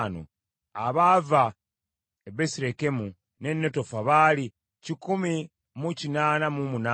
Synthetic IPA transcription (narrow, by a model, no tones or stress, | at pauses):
no̰ | aβaːva | ebe̞siɾe̞ke̞mu | ne̞nːe̞to̞faβaːli | cikumi | mucinaːnamumuna